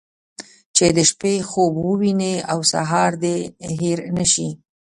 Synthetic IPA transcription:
t͡ʃed̪əʃpexobwəwineawsa̰ɦɑɾd̪eɦeɾnəʃi

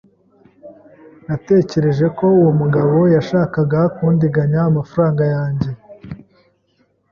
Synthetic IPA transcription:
nate̞ːce̞ɾe̞ʒe̞ko̞uwomuɡaβo̞jaʃaːkaɡakuːndiɡaɲaːmafaɾaːŋɡajaːɲɟe̞

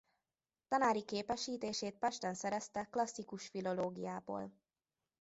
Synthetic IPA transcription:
t̪ɒnaːɾikeːpɛʃiːt̪eːʃeːt̪̚pɛʃt̪ɛnsɛɾɛst̪ɛklɒsːikuʃfilo̞loːɡijaːbo̰ːl

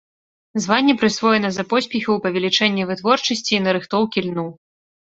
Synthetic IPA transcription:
zvanʲːɛpɾɨsvɔjɛnɐzɐpɔsʲpʲɛxɐwpɐvʲɛlʲit͡ʂɛnʲːɛvɨt̪vɔrt͡ʂɐsʲt͡sʲiːnɐɾɨxt̪ɔwkʲilʲnu

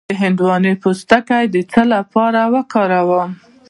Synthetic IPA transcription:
əɦɪnd̪wɑnepost̪akajd̪ət͡səlapɑɾawəkɑɾawəm

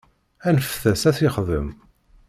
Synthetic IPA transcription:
ænəfθæsæθiχðə̰m

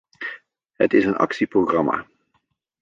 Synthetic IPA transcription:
ɦə̰tɪsənɑ̰ksiproɣrɑma̰ː

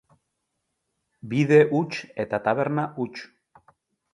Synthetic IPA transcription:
biðe̞ʔut͡ʃe̞t̪at̪aβe̞ɾnaʔut͡ʃ

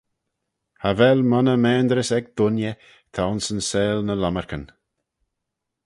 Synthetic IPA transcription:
havɛlmɔnəmɛːnd̪ɾəsɛɡ̚d̪̥ʊnjə | t̪ʰaʊnsənsɛːlnəlaməɹkən

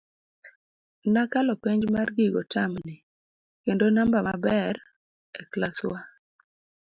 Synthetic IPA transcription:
nakalɔpeɲd͡ʒmarɡiɡɔtʰamnɪ | kendonambamabɛɾ | eklaswa

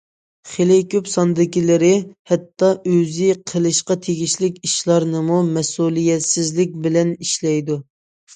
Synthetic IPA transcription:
χelɪkʲøpsɑnd̪ɪkʲilɪɾɪhɛt̪ʰːɑʔøzɪqʰəlˠɨʃqɑt̪ʰeɡʲiʃlɪkʲiʃlˠɑɾnɨmumɛsulˠijɛt̪sɪzlɪk̚ʲbɪlɛniʃlɛjd̪u

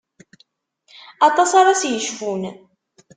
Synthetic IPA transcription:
ɑt̪ˤɑsɑɾˤɑsjəʃfun

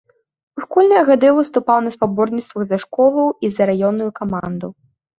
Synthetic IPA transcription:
uʂkɔlʲnɐjɐɣad̪ɨvɨst̪upawnɐspabɔrnʲit̪st̪vɐɣzɐʂkɔlˠɐwizɐɾajɔnːujukamand̪u

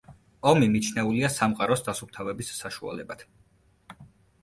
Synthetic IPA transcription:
ɔmimit͡ʃʰnɛuliasamqʼaɾɔsd̪asup̚t̪ʰavɛbisːaʃua̰lɛbat̪ʰ

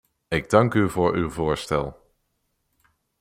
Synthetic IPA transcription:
ɪɡ̚dɑŋkyvʊːɹywvʊːɹstɛ̰lˠ

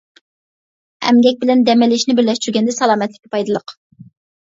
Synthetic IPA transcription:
ɛ̰mɡʲɛk̚ʲbɪlɛnd̪ɛmɪlɪʃnɪbɪɾlɛʃt̪yɾɡʲɛnd̪ɛsɑlˠɑːmɛt̪lɪ̥kʲʰːi̥pʰɑjd̪ɨlˠəq

